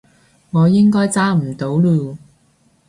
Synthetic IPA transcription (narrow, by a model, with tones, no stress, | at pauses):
ŋɔː˨˧jɪ˥ŋkɔː˥jt͡saː˥m̩˨˩t̪o˨˥wluː˧